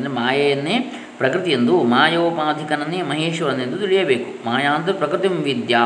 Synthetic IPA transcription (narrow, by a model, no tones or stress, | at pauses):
nd̪ɾemaːjɐjɐnːeː | pɾɐkɾɪt̪ijend̪umaːjoːpaːd̪ʱikɐnɐnːemɐɦeːʃɐʋɐnːind̪ut̪iɭijɐbeːkumaːjaːnt̪̬ɐpɾɐkɾɪt̪imʋid̪jaː